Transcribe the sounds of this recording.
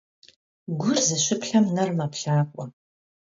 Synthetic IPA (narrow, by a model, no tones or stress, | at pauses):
ɡʷʊrzɨɕɪpɬɐmnɐrmɐpɬaːkʷʼɔ